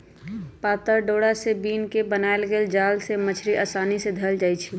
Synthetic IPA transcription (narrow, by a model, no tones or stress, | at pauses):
paːt̪əɾɖoːɽasebiːnkebənaelɡeːld͡ʒaːlsemət͡ʃʰɾiʔəsaːnised̪ʱəld͡ʒaːjt͡ʃʰi